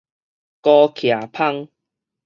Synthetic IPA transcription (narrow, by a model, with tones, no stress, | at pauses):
kɔ˧kʰja˨˩pʰa˥˧ŋ